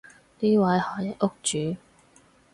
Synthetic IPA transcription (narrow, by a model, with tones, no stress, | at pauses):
t̪iː˥wɐ˨˥jhɔː˨˩jɐ˨t̚ʊ˥k̚t͡ʃyː˨˥˦